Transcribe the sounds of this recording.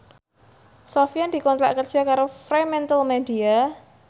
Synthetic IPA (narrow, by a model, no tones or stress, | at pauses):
sofiand̪̥i̤kɔnt̪ɾa̰ʔkərd̥ʒ̥a̤kaɾofɾemɛnt̪əlmeɖia